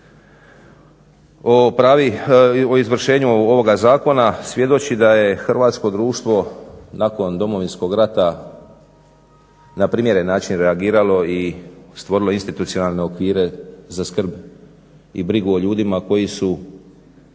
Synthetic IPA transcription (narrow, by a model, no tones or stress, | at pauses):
opɾaːʋioizʋr̩ʃe̞ːɲuo̞ʋo̞ɡazaːko̞nasʋje̞d̪o̞t͡ɕid̪aje̞xr̩ʋaːt̪sko̞d̪ɾuːʃt̪ʋo̞nako̞nd̪o̞mo̞ʋinsko̞ɡɾat̪a | napɾiːmje̞ɾenːaːt͡ʃinɾeaɡiːɾalo̞ist̪ʋo̞ɾilo̞inst̪it̪ut̪sio̞nalˠne̞okʋiːɾe̞zaskr̩b | ḭbɾiɡuo̞ʎuːd̪imako̞jisu